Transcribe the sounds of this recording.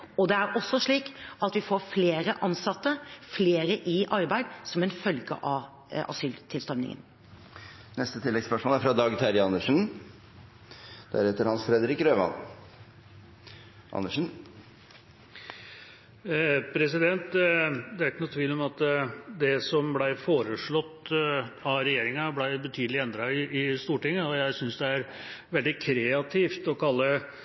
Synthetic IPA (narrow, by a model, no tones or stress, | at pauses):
ɔd̪ɛæɾɔsːɔʂɭiːkɑt̪ʋɪfoːɾfleːɾəʔɑnsɑt̪ːəfleːɾəʔɪʔɑɾbæɪd̪sɔmɛnfœlɡə̰ʔɑʋ | ʔɑ̰syːlt̪ʰɪlst̪ɔɾmnɪ̰ŋə̰n | nɛst̪ət̪ʰɪlːɛɡspœʂmoːlæɾfɾɑd̪ɑːɡt̪ʰæɾɪɑnəʂn̩ | d̪̥æ̰ɾheːt̪əɾhɑnsfɾɛd̪əɾɪkɾøːʋɑ̰n | ʔɑ̰nːəʂn̩ | pʰɾɛsɪd̪ɛnt̪d̪ɛæɾɪkːnʊt̪ʰʋiːlɔmɑt̪d̪ɛsɔmblæɪfoːɾəʂɭɔt̪ːɑɾɛjeːɾɪŋɑblæɪbət̪ʰyːd̪lɪɛnd̪ɾɑɪɪst̪uːʈɪŋːəɔjæɪsʏnsd̪ɛæɾ | ʋɛld̪ɪkʰɾɛɑt̪ʰiːft̪ɔkʰɑlːə